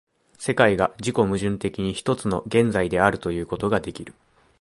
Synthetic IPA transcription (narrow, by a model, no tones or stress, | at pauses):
se̞kaiɡaʑiko̞mɯ̟ʑɨ̃nt̪e̞kʲiɲ̟içi̥t̪o̞t͡sɨno̞̰ɡẽ̞nd͡zaid̪e̞aɾɯ̟t̪o̞jɯ̟ːko̞t̪o̞ɡad̪e̞kʲiɾɯ̟